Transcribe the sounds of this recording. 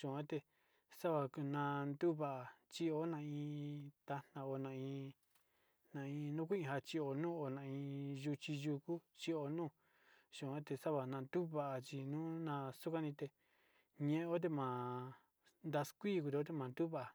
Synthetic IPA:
ʃũ˨ã˦t̪e˧ | sa˦βa˧ku˧nã˧nd̪u˦βa˧ʔa˧˨t͡ʃi˦o˦nã˧ĩ˧t̪a˧n̥ã˧o˧nã˧ĩ˧ | nã˧ĩ˧nũ˦k̬ʷi˦ĩ˧ɦa˧t͡ʃi˧o˧nũː˦˨o˧nã˧˨ĩ˧ʒu˧t͡ʃi˧ʒu˧ku˦t͡ʃi˧o˧nũː˦˨ | ʃũ˨ã˦t̪e˧sa˦βa˧nã˧nd̪u˦βa˧ʔa˧t͡ʃi˧nũː˦nã˧su˦kã˦nĩ˧t̪e˧ | ɲẽ˧ʔẽ˧˦o˦t̪̬e˧mã˨ | nd̪a˧skʷi˦˨ku˧t̪e˧o˦t̪̬e˧mã˨nd̪u˦βa˦ʔa˨

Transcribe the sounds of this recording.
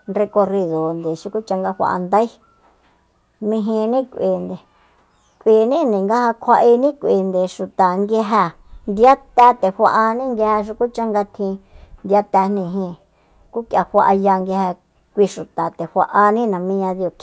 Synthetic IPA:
nre˧ko˧ri˧ðo˨nd̪e˨ʃu˧ku˦t͡ʃa˧ŋɡa˦wʷa̰˧ʔa̰˧nd̪a˦i˦ | mĩ˧ɦĩ˧nĩ˦kʷʔi˨nd̪e˨ | kʷʔi˨nĩ˦nĩ˨ŋɡa˦ha˧kʷʰa˧ʔi˧nĩ˦kʷi˨nd̪e˨ʃu˨t̪a˨ŋɡe˧ɦa˧nd̪i˧a˦t̪ɛ˧t̪e˨hʷa˧ʔa˧nĩ˦ŋɡe˧ha˧ʃ̬u˧ku˦t͡ʃa˦ŋɡa˧t̪ʰĩ˧nd̪ja˧t̪ɛ˧nĩ˧˨ɦĩ˧ | ku˦kja˧hʷa˧ʔa˧ja˧ŋɡe˧ha˧ | kʷi˧ʃu˨t̪a˨t̪e˨hʷa˧ʔa˧nĩ˦nã˨mĩ˧ɲã˧ði˧o˧˨kʰ

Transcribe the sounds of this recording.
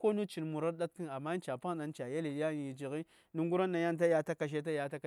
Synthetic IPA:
ko˦nu˦t͡ʃi˨n˨mu˨ɾa˦ɾɗa˦t̚ki˦na˨mːa˦n˦t͡ʃa˨pa˦ɗa˨n˦t͡ʃa˨ja˦li˨˦a˦˨i˨d͡ʒi˨ɣi˦ | nu˦ŋɡu˦ɾa˦nːa˨ja˦n˦ta˦ja˦ta˦ka˨ʃ̬e˦ta˦ja˦ta˦ka˨

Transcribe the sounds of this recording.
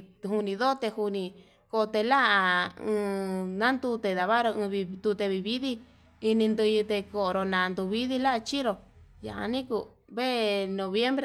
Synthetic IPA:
hu˧nĩ˧ðo˦t̪e˧hu˧nĩ˧ | ko˧t̪e˧la˦a˧ɨ̃ː˧nã˦nd̪u˧t̪e˨˧ða˨βa˦ɾo˧ɨ̃˧βi˧d̪u˧t̪e˧βi˧βi˦ði˦ | i˧nĩ˧nd̪ɨ˧ji˧t̪e˧ko˨˧ɾo˧nã˨˧nd̪u˧βi˦ði˧la˦ʔt͡ʃi˦ɾo˧ja̰˨ʔa̰˧nĩ˦ku˧ | βe˦nõ˨βje˦mbɾe˧

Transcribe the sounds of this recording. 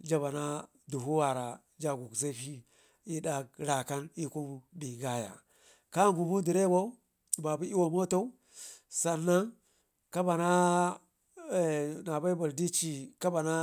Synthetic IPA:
d͡ʒa˦βa˨na˦ | du˨ɦu˦wa˨ɾa˨ | d͡ʒa˦ɡu˨kze˦ɸi˦ | i˦da˦k̚ɾa˨ka˦ni˦ku˦bi˨ɡa˦ja̰˨ | ka˦ŋɡu˨bu˦di˨ɾe˦bo˦˨ | ba˨bu˦i˦wo˨mo˦to˦u˦ | sa˨nːa˦ŋ | ka˦ba˨na˦˨ | na˨ba˦i˦ba˨ldi˦t͡ʃi˨ka˦ba˨na˦

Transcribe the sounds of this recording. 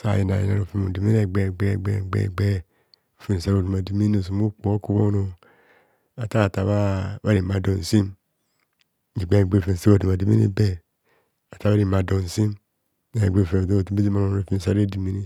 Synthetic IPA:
sa̰˨ji˨na̰˨jḭ˨na˨ɾo˨fi˦mṵ˨di˨mi˦e˨ɡ͡be˨ɡ͡be˦˨ɡ͡be˨ɡ͡bḛ˨ɡ͡be˦˨ | fi˨n˨sa˦ɾo˨du˨ma˨di˨mi˦no˨s̬u˨mu˦k͡po˨˦o˦ku˦bo˦no˨ | a˨ta˦a˨ta˨βa˦βa˦ɾi˨ma˨do˨n˨si˦m | i˨ɡ͡be˦˨ɡ͡be˦˨fi˨sa˦o˨du˨m˨a˨di˨mḭ˦nḭ˦be˦ | a˨ta˨˦βa˦ɾi˦˨ma˨do˨n˨si˦m˨ | ɡ͡be˦˨fe˨do˦˨tu˦bi˦di˦ma˦no˨˦o˨fi˦˨sa˦e˦di˨mi˦ni˦

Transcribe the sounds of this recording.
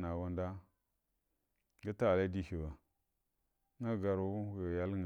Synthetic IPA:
na˨wa˦nda˦ | ɡa˦ta˦˨la˦di˦hi˨wa˨ | ŋa˦ɡa˨ɾu˨wu˦˨ja˦lŋ˨

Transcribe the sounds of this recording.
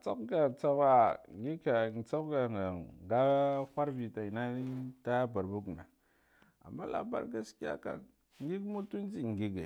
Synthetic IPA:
t͡so˦kɡa˨t͡sa˦ba˨ŋ˨ɡi˦ka˨t͡so˦kɡa˨ŋɡa˨ɡa˦kʷa˦ɾvi˨ta˨i˨na˦ta˦ba˨ɾbu˦ɡna˨ | a̰˨mːa˦la̰˨ba̰˦ɾɡa˦ski˦a̰˦ka̰˨n | ŋ˦ɡi˦kmu˦tu˦n˦d͡ʒi˨ŋ˨ɡi˦ɡḛ˨

